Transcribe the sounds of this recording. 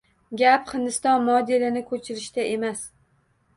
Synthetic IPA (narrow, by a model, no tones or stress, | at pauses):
ɡʲapχɪnd̪ɪst̪ɒnmɒd̪elɪnɪkʰɵt͡ʃʰɪɾɪʃt̪aʔe̞mas